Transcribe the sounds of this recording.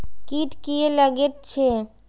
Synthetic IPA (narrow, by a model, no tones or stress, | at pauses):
kiʈkieləɡet̪̚t͡ʃʰe